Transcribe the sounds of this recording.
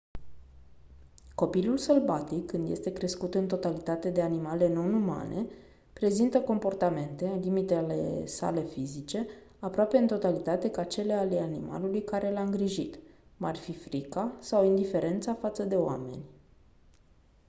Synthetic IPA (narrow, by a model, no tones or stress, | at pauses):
ko̞pilulsəlbat̪ikːɨnd̪je̞st̪e̞kɾe̞skut̪ɨnt̪o̞t̪alit̪at̪e̞d̪e̞animale̞no̞numa̰nʔe̞̰ | pɾe̞zint̪əko̞mpo̞rt̪ame̞nt̪e̞limit̪ele̞sa̰le̞fizit͡ʃe̞ | apɾoape̞ɨnt̪o̞t̪alit̪at̪e̞kat͡ʃe̞lealeanima̰lulujkaɾe̞laɨŋɡɾiʒit̪marfifɾikasawind̪ife̞ɾe̞nt̪safat̪səd̪e̞oa̰me̞̰nʲ